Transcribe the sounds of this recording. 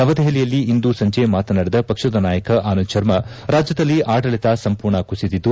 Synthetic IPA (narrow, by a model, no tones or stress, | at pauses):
nɐʋɐd̪ɐɦelijɐlːiind̪usɐɲd͡ʒemaːt̪ɐnaːɽed̪ɐpɐkʂɐd̪ɐnaːjɐkɐʔaːnut͡ʃɐɾmɐ | ɾaːd͡ʒjɐd̪ɐlːiʔaːɽɐɭit̪asɐmpuːɾɳɐkusid̪id̪ːu